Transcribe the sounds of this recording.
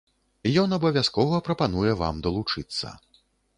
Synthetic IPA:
jɔnɐbɐvʲaskɔvɐpɾɐpanujɛva̰md̪ɐlˠut͡ʂɨt̪sːɐ̰

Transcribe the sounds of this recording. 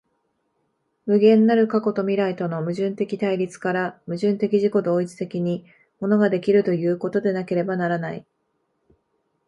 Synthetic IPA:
mɯ̟ɡẽ̞nːaɾɯ̟kako̞t̪o̞mʲiɾait̪o̞no̞mɯ̟ʑɨ̃nt̪e̞kʲit̪aiɾʲit͡sɨ̥kaɾamɯ̟ʑɨ̃nt̪e̞kʲiʑiko̞d̪o̞ːit͡sɨ̥t̪e̞kʲiɲ̟i | mo̞no̞ɡad̪e̞kʲiɾɯ̟t̪o̞jɯ̟ːko̞t̪o̞d̪e̞nake̞ɾe̞banaɾanaḭ

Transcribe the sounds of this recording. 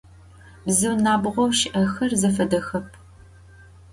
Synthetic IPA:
bzɨwnaːbʁʷɔwʃɪʔɐxɐrzɐfɐdɐxɐp̚ʰ

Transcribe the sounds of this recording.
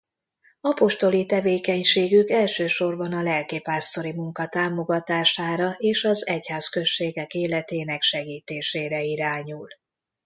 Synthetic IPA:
ɒpo̞ʃt̪o̞lit̪ɛveːkɛɲʃeːɡykɛlʃøːʃo̞rbɒnɒlɛlkipaːst̪o̞ɾimuŋkɒt̪aːmo̞ɡɒt̪aːʃaːɾɒʔeːʃɒzɛchaːskø̞ʃːeːɡɛkeːlɛt̪eːnɛkʃɛɡiːt̪eːʃeːɾɛiɾaːɲul

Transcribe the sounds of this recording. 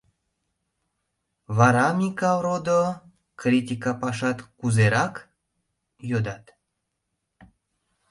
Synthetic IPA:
βɑɾɑmʲikavɾod̪o | krʲit̪ʲikapɑʃɑt̪kuzeɾɑk | jod̪ɑt̪

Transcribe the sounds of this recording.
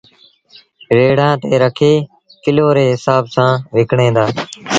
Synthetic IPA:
ɾeːɽ̤ãːt̪eːɾəkʰeː | kɪloːɾeːɦɪsaːbsãːʋɪkɳẽːd̪aː

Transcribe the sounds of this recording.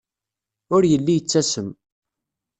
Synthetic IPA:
ʊɾjəlːijət͡sːæsəm

